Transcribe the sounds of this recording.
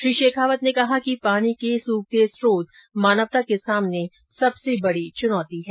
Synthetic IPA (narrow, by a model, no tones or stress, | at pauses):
ʃɾiːʃeːkʰaːʋət̪nekɐɦakipaːñikesuːk̚t̪eːsɾoːd̪maːnəʋt̪akesaːmne | sɐbsebɐɽit͡ʃʊnɔːt̪iɦɛː